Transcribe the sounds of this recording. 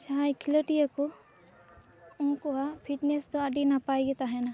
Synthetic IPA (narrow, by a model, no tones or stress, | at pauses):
t͡ʃajkʰiloʈijako | unkoɦapʰiʈnesd̪oɐɖinapaːeɡet̪aɦɛna